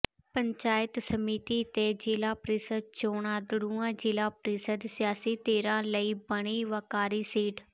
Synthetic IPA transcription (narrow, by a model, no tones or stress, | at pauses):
pəɲt͡ʃaːjɪt̪səmiːt̪iːt̪eːd͡ʒɪlaːpɾisəd̪̚t͡ʃoːɳãːd̪ʊɽuːãːd͡ʒɪlaːpɾisəd̪sɪjaːsiːt̪eːɾãːləiːbəɽ̃iːʋəkaːɾiːsiːɖ